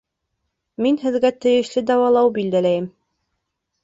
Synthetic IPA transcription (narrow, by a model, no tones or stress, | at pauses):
minhɘ̆ðɡæt̪ɘ̆jɘ̆ʃlɘd̪ɑwɑlˠɑwbild̪ælæjɘm